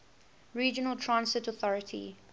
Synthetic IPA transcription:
ɹiːd͡ʒənəlˠtʰɹãnsɪtɔθɔɹɪtʰḭ

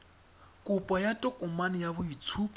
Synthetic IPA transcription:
kʼʊpʼɔjatʼɔkʼʊmanɪjaβʊit͡sʰu

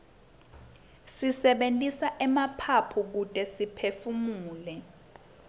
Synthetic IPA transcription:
sisɛɓentʼisaʔɛmapʰapʰuk̬utʼɛsipʰefumuːlɛ

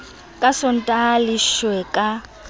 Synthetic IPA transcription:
kʼasɔn̩tʼaliʃwɛkʼa

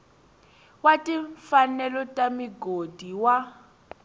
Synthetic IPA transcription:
watʼiɱfanɛlɔtʼamiɡodʱiwa

